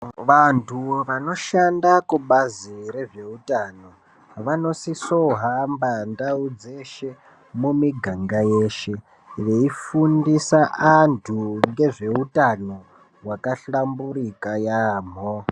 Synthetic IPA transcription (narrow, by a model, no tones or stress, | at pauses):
ʋantʰuʋano̞ʃandakuɓaziɾe̞ʐe̞utano̞ | ʋano̞sisoɦambandaud͡ze̞ʃe̞ | mumiɡʱaŋɡajeːʃe̞ | ʋe̞ifundisaʔantʰuŋɡe̞ʐe̞utano | wakaɬambuɾikajam̤o